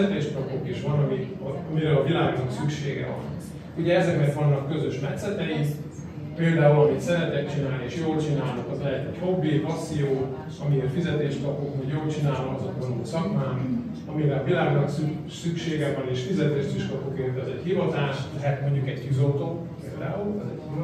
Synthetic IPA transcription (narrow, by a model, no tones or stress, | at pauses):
ɛt̪eːʃk̪ɒpokiʃʋɒnɒmiɒmiɾɛɒvilaːɡnɒksykʃeːɡɛ̰vɒ̰n | uɟɛɛzɛkmɛrt̪vɒnːɒkːø̞zøʃmɛt̪sɛt̪ɛi | peːld̪aːulɒmit̪sɛɾɛt̪ɛkt͡ʃinaːlnieːʃjoːlt͡ʃinaːlokɒzlɛɦɛt̪ɛchobːipɒsːijoː | ɒmierfizɛt̪eːʃt̪kɒpokmoɟjoːlt͡ʃinaːloɒzɒkʋoloːsɒkmaːn | ɒmiɾɛɒvilaːɡnɒksy | sykʃeːɡɛvɒneːʃfizɛt̪eːʃt̪yʃkɒpokeːnt̪ɛzɛɟhivɒt̪aːʃlɛɦɛt̪mo̞ɲɟukɛɟkyzot̪ok | pḛːld̪a̰ːulɛzɛ̰ɟki